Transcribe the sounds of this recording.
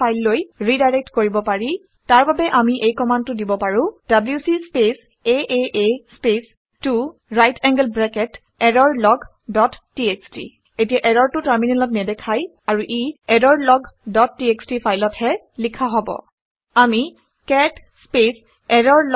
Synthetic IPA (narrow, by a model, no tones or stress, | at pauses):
ajlːojɹidajɹek̚tkoɹibɔpaɹi | taɹbabɛʔamiʔejkɔmantːʊdibɔpaɹʊ̃dabljusispes | eʔeʔespes | tuɹajtʰɛŋɡəlbɹɛkɛt | ɛɾɔɹlɔɡ | dɔtːiekstḭ | etijaʔɛɾɔɹtʊtaɹminɛlɔtnɛdɛkʰaj | aɹuʔiɛdɔɹlɔɡdɔtːiekstipʰajlɔtʰhɛ | likʰaɦɔbɔ̰ | ami | kɛt | spes | ɛɾɔɹl